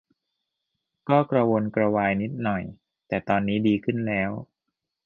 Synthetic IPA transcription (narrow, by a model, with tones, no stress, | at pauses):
kɔː˥˩kɾa˧wo˧nkɾa˧waː˧jni˦˥t̪̚nɔ˨˩j | t̪ɛː˨˩t̪ɔː˧nːiː˦˥diː˧kʰɯ˥˩nlɛː˦˥w